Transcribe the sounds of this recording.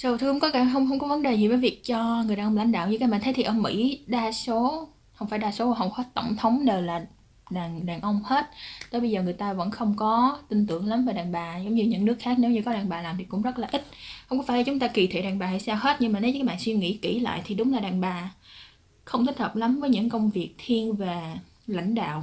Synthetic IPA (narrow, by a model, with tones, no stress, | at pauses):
sə˧˩wt̪ʰɨ˧kʊ˧˦ŋ͡mkɔ˨˦kaː˧˩ɦə˧wŋ͡mɦə˧wŋ͡mkɔ˨˦və˨˦nɗe˨˩zi˨˩vəː˨˦jvi˨˩ək̚t͡ɕɔ˧ŋɨ˨˩jaː˨˩nʔl̰a̰˧˨jŋ̟ɗa̰ː˧˨wɲɨ˧kaː˨˦jɓaː˧˨t̪ʰə˨˦jt̪ʰi˩ʔːmḭ˧˥ɗaː˧so˨˦ | hə˧wŋ͡mfaː˧˩jɗaː˧so˨˦vaː˨˩ɦə˧˩wŋ͡mxɔ˦t̪ə̰˧˩wŋ͡mt̪ʰə˨˦wŋ͡mɗəː˨˩laː˨˩ | ɗaː˨˩nɗaː˨˩nʔə˧wŋ͡mhe˦˥t̚t̪əː˨˦jɓə˧jzəː˨˩ŋɨ˨˩əjt̪aː˧və̰˧˥nxə˧wŋ͡mkɔ˨˦t̪ï˧nt̪ɨ˧˩əŋla˨˦mvaː˨˩ɗaː˨˩nɓaː˨˩zə˨˦wŋ͡mɲɨ˧ɲɨ̰˧˥ŋnɨ˦˥ək̚xaː˦˥k̚ne˨˦wɲɨ˧kɔ˨˦ɗaː˨˩nɓaː˨˩laː˨˩mt̪ʰi˨˩kʊ̰˧˥ŋ͡mzə˦˥t̚laː˨˩ʔi˦˥t̚xə˧wŋ͡mkɔ˨˦faː˧˩la˨˧t͡ɕʊ˨˦ŋ͡mt̪aː˧ki˨˩t̪ʰḛ˧˨ɗaː˨˩ŋɓaː˨˩ha̰˧˩jsaː˧wɦe˦˥t̚ɲɨ˧ŋmaː˨˩ne˨˦aː˧˦˨jɓa̰ː˧˨nswi˧ŋḭ˧˥ki˧˩la̰ː˧˨jt̪ʰi˨˩ɗʊ˨˦ŋ͡mlaː˨˩ɗaː˨˩nɓaː˨˩ | xə˧wŋ͡mt̪ʰi˦˥t̚həː˨˩p̚la˨˦mvəː˨˦jɲɨ̰˧˥ŋkə˧wŋ͡mvi˨˩ək̚t̪ʰi˧ənvaː˨˩ | la̰˧˥jŋ̟ɗa̰ː˧˨w